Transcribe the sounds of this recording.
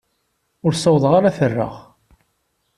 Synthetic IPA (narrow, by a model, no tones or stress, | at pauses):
ʊɾsəwðˤʁaɾaθərːə̰ʁ